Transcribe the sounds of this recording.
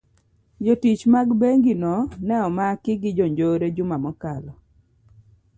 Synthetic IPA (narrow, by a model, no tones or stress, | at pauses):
d͡ʒotit͡ʃmaɡbeŋɡinɔnɛɔmakɪɡɪd͡ʒɔɲd͡ʒoɾed͡ʒʊmamɔkalɔ